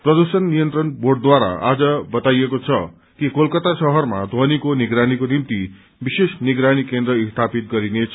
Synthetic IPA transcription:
prʌd̪usʌnːijʌnt̪rʌnborɖ̚d̪waɾa̰a̰d͡zʌbʌt̪ajekot͡sʰʌ | kikolkʌt̪asʌɦʌrmad̪ʱʌnikoniɡɾanikonimt̪i | bisesniɡɾanikend̪rʌist̪ʰapit̪̚ɡʌɾinet͡sʰʌ

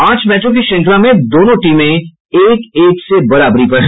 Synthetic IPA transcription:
ãːt͡ʃmɛːʈɾõk̬iʃɐ̃ŋklamẽd̪oːnõʈiːmẽ | eːkeːksebɐɾaːbɾipɐɾ

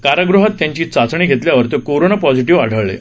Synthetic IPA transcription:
kaɾəɡɾuɦat̪ːjãɲt͡ɕiːt͡sat͡sɳ̃iːɡʱet̪ljaʋəɾt̪ekoɾonapɔd͡ziʈiʋa̰ɽ̤ʱəɭɭḛ

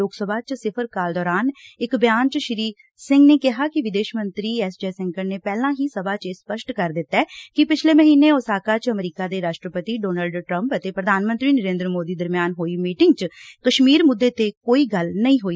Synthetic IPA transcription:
oːɡsəbaːt͡ʃsɪpʰəɾkaːld̪ɔːɾaːnɪkbjaːnt͡ʃʃɪɾiː | sɪ̃ŋɡneːkɪɦaːkɪʋɪd̪eːʃmə̃nt̪ɾiːɛːsd͡ʒeːsɛŋkəɾneːpɛːlãːɦiːsəbʱaːt͡ʃespəʃʈkəɾd̪ɪt̪ːɛːkɪpɪt͡ʃʰleːməɦiːneːoːsaːkaːt͡ʃəmɾiːkaːd̪eːɾaːʃʈɾəpət̪iːɖoːnəːlɖʈɾə̃mpət̪eːpɾəd̪ʱaːnmənt̪ɾiːnəɾeːnd̪ɾəmoːd̪iːd̪əɾmjaːnɦoːiːmiːʈɪŋɡt͡ʃkəʃmiːɾmʊd̪ːeːt̪eːkoːiːɡəlnəĩɦoːi

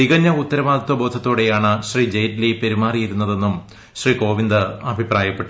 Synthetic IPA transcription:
iɣɐɲːɐut̪ːɐɾɐʋaːd̪ʱɐt̪ːʋɐbo̞ːd̪ʱɐt̪ːoːɽe̞jaːɳɨɕriːd͡ʑejtlipe̞ɾumaːrijiɾunːɐðe̞nːum | ɕriːko̞ːʋind̪ɨɐbʱipraːjɐpːeʈːu

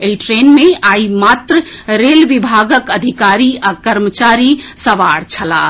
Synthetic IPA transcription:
eiʈɾenmeaimat̪ɾəɾelʋibʱaɡəkəd̪ʱikaɾiakəɾmət͡ʃaɾisəʋaɽt͡ʃʰəla̰

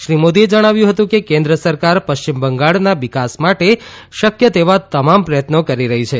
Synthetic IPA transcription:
ʃɾimod̪ied͡ʒəɽ̃aʋjũɦət̪ũkekẽnd̪ɾəsəɾkaɾpəʃt͡ʃimbəŋɡaɭnaʋikasmaʈe | ʃəkjət̪eʋat̪əmampɾəjət̪nokəɾiɾəɦit͡ʃʰe

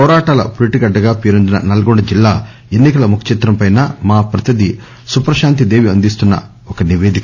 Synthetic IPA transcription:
pɔːɾaːʈaːlɐ̰poliʈiɡɐɖːɐɡaːpeːɾund̪inɐnɐlɐɡoɳɖɐd͡ʒilːaː | enːikɐlɐmukʰɐ̥t͡ʃit̪ɾɐmpɐjnɐmaːpɾɐt̪ɐd̪i | supɾɐʃaːnt̪̬id̪e̞ːʋiɐnd̪ist̪unːɐ̰ | ɔkɐniʋeːd̪ikɐ

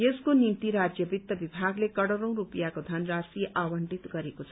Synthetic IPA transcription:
jeskonint̪iɾad͡zjʌbit̪ːʌbibʱaɡlekʌɽʌɾʌ̃w̃ɾupjakod̪ʱʌnrasiʔawʌɳʈit̪ɡʌɾekot͡sʰʌ

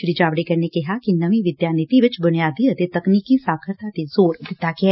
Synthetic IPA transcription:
ʃɾiːd͡ʒaːʋɽeːkəɾneːkɪɦaːkinəʋĩːʋɪd̪jaːnɪt̪iʋɪt͡ʃbʊnɪjaːd̪iːət̪eːt̪əkniːkiːsaːkʰəɾt̪aːt̪eːzoːɾd̪ɪt̪ːaːɡɪɛː

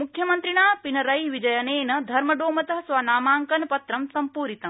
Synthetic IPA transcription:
mukʰjɐmɐnt̪ɾiɳaːpinɐɾɐjiʋid͡ʒɐjɐneːnɐd̪ʱɐɾmɐɖoːmɐt̪ɐɦɐsʋaːnaːmaːŋkɐnɐpɐt̪ɾɐmsɐmpuːɾit̪ɐm

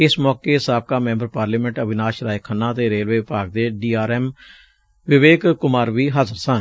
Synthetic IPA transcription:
ɪsmɔːkeːsaːb̚kaːmɛ̃ːmbəɾpaːɾliːmɛ̃ɳʈəbɪnaːʃɾaːekʰənːãːt̪eːɾeːlʋeːɪpaːɡ̚d̪eːɖiːaːɾɛːm | ʋɪʋeːkkʊmaːɾʋiːɦazəɾsə̃ː

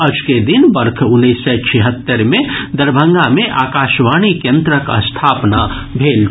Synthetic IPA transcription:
ɐd͡ʒked̪ɪnbɐɾkʰʊnːisːɛt͡ʃʰiɦət̪ːəɾmẽd̪ɐɾbʱə̃ŋɡamẽʔaːkaːʃʋaːñikjə̃nt̪ɾəkə̰st̪ʰaːpna | bʱeːl

